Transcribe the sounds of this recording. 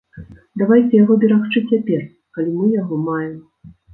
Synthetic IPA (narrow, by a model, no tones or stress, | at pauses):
d̪avajt͡sʲɛjaɣɔbʲɛɾaxt͡ʂɨt͡sʲːapʲɛr | kalʲimɨjaɣɔmajɛm